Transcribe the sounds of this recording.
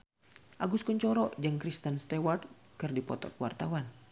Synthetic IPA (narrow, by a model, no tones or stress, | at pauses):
ʔaɡuskuɲt͡ʃɔɾɔʔd͡ʒəŋkɾist̪ənst̪ɛwart̪̚ | kɨrdipɔt̪ɔ̰kəwa̰rt̪awan